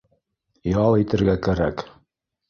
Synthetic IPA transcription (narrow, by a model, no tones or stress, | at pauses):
jɑlˠit̪ɘ̆ɾɡækæɾæk